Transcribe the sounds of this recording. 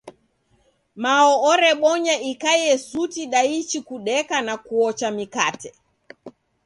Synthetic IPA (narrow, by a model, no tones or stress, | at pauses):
maɔɔɾɛɓɔɲaikajɛsutiɗait͡ʃikuɗɛkanakuɔt͡ʃamikatɛ